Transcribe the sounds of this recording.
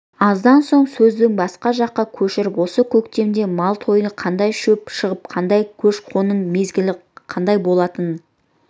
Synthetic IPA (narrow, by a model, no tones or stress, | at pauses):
ɑzd̪ɑnso̞ɴsɵzd̪ɪŋbɑsqɑʒɑqːɑkʲʰɵʃɪɾɪpwo̞səkʲʰɵkt̪e̞mnd̪e̞mɑlˠt̪ʰo̞jənqʰɑnd̪ɑjʃɵpʃəʁəp̚qʰɑnd̪ɑjkʲʰɵʃqʰo̞nənme̞zɡʲɪlɪqʰɑnd̪ɑjbo̞lˠɑt̪ən